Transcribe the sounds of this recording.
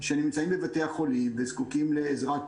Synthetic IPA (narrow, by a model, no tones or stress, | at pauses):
ʃenimt͡saimbevateaχo̞limvezkukimle̞ːzʁat